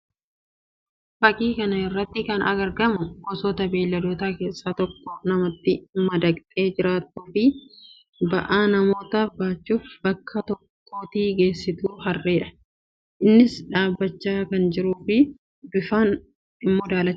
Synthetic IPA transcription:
fɐkʼiːkɐnɐɪrːɐt̪ːɪkɐnɐ̰ɡɐɾɡɐmʊɡɔsɔːt̪ɐbe̞ːlːɐd̪oːt̪aːke̞ːsːaːt̪ɔkːɔnɐmɐt̪ːɪmɐd̪ɐkʼt̪ʼe̞ːd͡ʒɪɾaːt̪uːfɪ | bɐʔaːnɐmo̞ːt̪aːfbaːt͡ʃːuːfbɐkːɐt̪ɔkʰːo̞ːt̪iːɡe̞ːsːɪt̪uːhɐrːeːᶑɐ̥ | ʔɪnːɪsᶑaːbːɐt͡ʃːaːkɐnd͡ʒɪɾuːfɪ | d̪ʊfaːn | ɪmːoːd̪aːlɐ

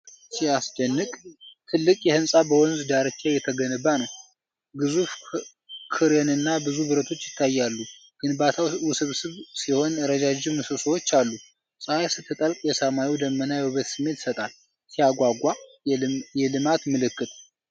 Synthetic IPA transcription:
siasd͡ʒɛnːɨkʼt̪ʰɨlːɨkʼjɛhɨnsʼabəwɔnzd̪aɾət͡ʃːajɛt̪ʰəɡənɨbanəw | ɡɨzuf | kʰɨɾenɨnːabɨzubɨɾət̪ʰo̞t͡ʃːjɪt̪ʰːajːalːuɡ̥ɨnbat̪ʰawwsɨβsɨβsiho̞nɾəd͡ʒad͡ʒɪmːɨsɨsəwo̞t͡ʃːalːu | sʼɨhajsɨt̪ʰːɨt̪ʼəlkʼjɛsəmajiwd̪əmːənajɛɨβət̪sɨmːe̞t̪sət̪ʼal | sijaɡʷaɡʷa | jɛlɨmat̪mɨlɨkːɨt̪ʼ

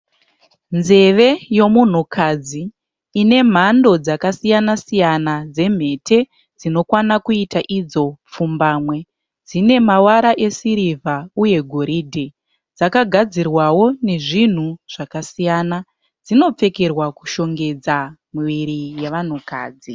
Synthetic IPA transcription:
nze̞ʋe̞jo̞mun̤ukʰad͡ziː | ne̞m̤ando̞d͡zakasijanasijanad͡ze̞m̤e̞te̞ | d͡zino̞kwanakuitaʔid͡zo̞p͡fumbaːmwe̞ | d͡zine̞mawaɾaʔe̞siɾivʱauje̞ɡʱo̞ɾiːdʱe | d͡zakaɡʱad͡zirwawo̞ne̞ʐin̤uʐ̥akasijaːna | d͡zino̞p͡fe̞ke̞rwaku̥ʃo̞ŋɡe̞d͡zamuʋiɾijeʋan̤uka̰ːd͡zi

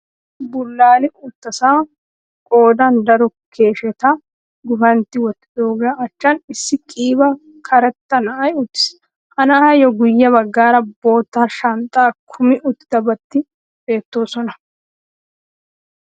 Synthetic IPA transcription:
bʊlːaːlɪʔʊt̪ːɐsaː | kʼo̞ːd̪ɐnd̪ɐɾɔkʰe̞ːʃɛt̪ɐ | ɡʊfɐnt̪ːɪwɔt̪ːɪd̪oːɡɐɐt͡ʃːɐnɪsːɪkʼiːbɐ | kʰɐɾɛt̪ːɐnɐʔɐjʊt̪ːɪ̥s | hɐnɐɐjɔɡʊjːɐβɐɡːaːɾɐbo̞ːt̪ːaʃɐnt̪ʼaːkʰʊmɪʔʊt̪ːɪ̥d̪ɐbɐt̪ːɪ | be̞ːt̪ːo̞ːsɔnɐ

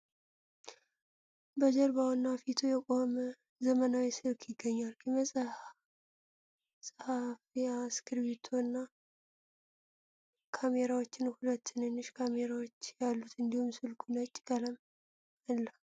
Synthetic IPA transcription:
bəd͡ʒəɾbawɨnːafit̪ʰujɛkʼomə | zəmənawisɨlkʰjɪɡːəɲːaljɛməsʼ | sʼəhafaskʰɨɾβet̪ʰoɨnːa | kʰameɾawot͡ʃːɪnhulət̪ːɨnhɨnːɨʃkʰameɾawot͡ʃːjalːut̪ɨnd̪ihumsɨlkʰunət͡ʃʼːkʼələm | ɨlːa

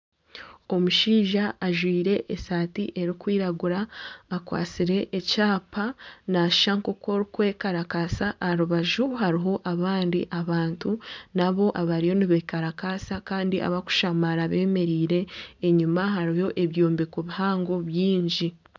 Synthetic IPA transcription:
o̞muʃiːʒaʔːʒwiːɾe̞ʔesaːtiʔe̞ɾikwiːɾaɡuɾaːkwa̰ːt͡siɾe̞ʔːcaːpanaʃi̥ʃaŋkuko̞ɾikwe̞ːkaɾakasaaɾuβaʒuɦaɾiɦo̞ʔaβaːndḭʔaβaːntunaβo̞ʔaβaɾijo̞niβekaɾakasakaːndiʔa̰βaku̥ʃamaɾaβe̞ːme̞ɾiːɾe̞ːɲumaɦaɾijo̞ʔe̞βjoːmbekuβihaːŋɡo̞βjiːɲɟi

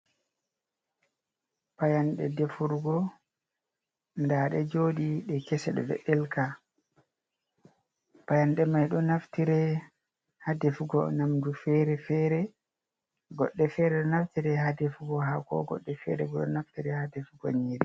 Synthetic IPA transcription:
pajanɗɛdefuɾɡɔ | ndaɗɛd͡ʒoːɗiɗɛkɛsɛɗɛ̰dɛ̰ɗːɛlka | pajanɗɛmajɗɔnaftiɾɛ | hadɛfuɡɔnamdufɛɾɛfɛɾɛ | ɡɔɗːɛfɛɾɛɗɔnaftiɾɛɦadɛfuɡɔɦakɔ̰ɡɔ̰ɗːɛfɛ̰ɾɛɡɔɗɔ̰naftiɾɛhadɛfuɡɔ̰ɲːiɾi

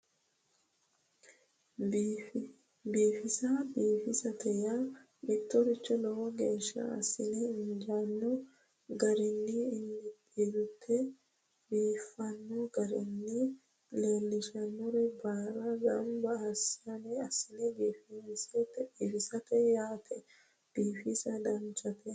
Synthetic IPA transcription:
biːfɪsaːbiːfɪsɐt̪ɛjaː | mɪkt̪ːɔɾɪt͡ʃːɔlɔwɔɡeːʃːa̰ɐ̰sɪnɛɪnd͡ʒaːnːɔ | ɡɐɾɪnːiɪnːɪt | ɪlt̪ʰːɛ | biːfːɐnːɔɡɐɾɪ̰nːi | leːlːɪʃɐnːɔɾɛbaːɾɐɡɐmbɐɐsɪɐnɛɐsːɪnɛbiːfɪnsɛt̪ːɛdiːfɪsɐt̪ɛjaːt̪ʰɛ | b̥iːfɪsɐd̪ɐnt͡ʃʼɐt̪ʰɛ

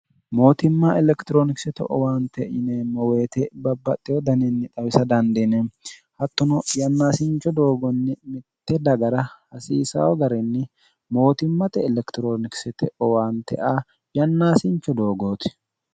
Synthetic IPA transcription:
mo̞ːt̪ɪmːaɛlɛkt̪ɪɾoːnɪksɛt̪ɛ̰ʔɔwaːnt̪ɛʔɪnɛmɔweːt̪ɛbɐbːɐt̪ʼːɪjɔd̪ɐnɛnːɪt̪ʼɐwɪsɐd̪ɐnd̪ɪnɛhɐt̪ːʊnɔjɐnːaːsɪnt͡ʃːɔd̪o̞ːɡɔnːɛmɪt̪ːɛd̪ɐɡɐɾɐhɐsiːsa̰wɔɡɐɾɛnːɪ | mo̞ːt̪ɪmːɐt̪ɛːlɛkt̪ɪɾo̞ːnɪksɛt̪ɛ̰ʔɔwaːnt̪ɛ̰ʔaː | jɐnːaːsɪnt͡ʃːɔd̪o̞ːɡoːt̪ɪ̥

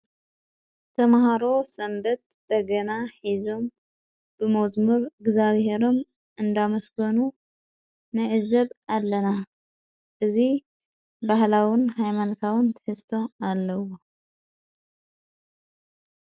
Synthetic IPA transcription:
t̪ʰɐmhaɾo̞sɐmbɐt̪̚ | b̥ɐɡɐnaħizo̞m | b̥ɨmozmɨɾɡzaβhe̞ɾo̞m | ʔɨnd̪amɐskonu | nɨʕɨzɐβalːɐna | ʔɨzi | bahlawɪnhajmank̪ʰawɨnt̪ʰɨ̥ħɨst̪ʰo̞alːɐwo

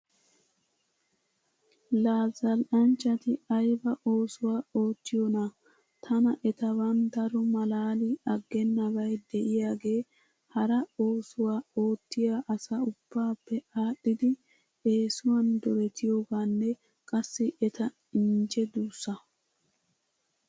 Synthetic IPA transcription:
laːzɐlʔɐnt͡ʃːɐt̪ɪɐjbɐʔo̞ːsʊwaːo̞ːt̪ːɪjɔnɐ | t̪ʰɐnɐʔɛt̪ɐβɐnd̪ɐɾɔmɐlaːlɪɐɡːɛnːɐbɐjd̪ɛʔɪjaːɡe̞ː | hɐɾɐo̞ːsʊwaːo̞ːt̪ːɪjaːʔɐsɐʊb̥ːaːpːɛʔaːɗːɪd̪ɪ | eːsʊwɐnd̪ɔɾɛt̪ʰɪjo̞ːɡaːnːɛ | kʼɐsːɪʔɛt̪ɐ | ɪnd͡ʒɛd̪uːsːɐ

